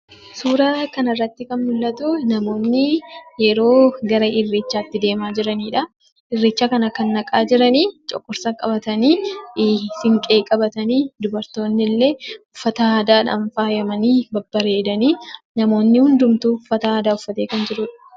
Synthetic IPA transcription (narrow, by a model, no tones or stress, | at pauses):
suːɾaːkɐnɐrːɐt̪ːɪkɐnmʊlːɐt̪unɐmo̞ːnːɪjɛɾo̞ːɡɐɾɐʔɪrːeːt͡ʃːaːt̪ːɪd̪e̞ːmaːd͡ʒɪɾɐniːᶑɐ | ʔɪrːeːt͡ʃːakɐnɐkɐnːɐkʼaːd͡ʒɪɾɐniːt͡ʃʼɔ̰kʼːʊɾsakʼɐbɐt̪ɐniː | sɪŋkʼe̞ːkʼɐbɐt̪ɐniːd̪ʊbɐɾt̪o̞ːnːɪlːe̞ːʊfːɐt̪ɐaːd̪aːᶑɐ̰ɱfaːjɐmɐniːbɐbːɐɾe̞ːd̪ɐniː | nɐmo̞ːnːɪhʊnd̪ʊmt̪uːʊfːɐt̪ɐaːd̪aːʊfːɐt̪eːkɐnd͡ʒɪɾʊᶑɐ̥